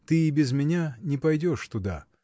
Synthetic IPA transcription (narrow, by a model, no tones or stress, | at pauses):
t̪ɨɪbʲɪzmʲɪnʲanʲɪpɐjdʲo̞ʂt̪ʊd̪a̰